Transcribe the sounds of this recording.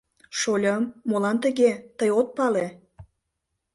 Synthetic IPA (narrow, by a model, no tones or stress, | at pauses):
ʃolʲəmːolɑnt̪əɣet̪əjot̪̚pɑle